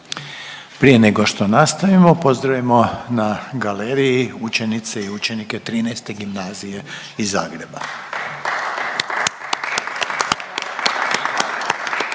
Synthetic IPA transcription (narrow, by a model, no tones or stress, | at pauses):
pɾije̞neɡo̞ʃt̪o̞nast̪aʋimo̞po̞zd̪ɾaʋimo̞naɡaleːɾijiut͡ʃe̞nit̪seiut͡ʃe̞nike̞t̪ɾiːnajst̪e̞ɡimnaːzije̞ | izːaːɡɾe̞ba̰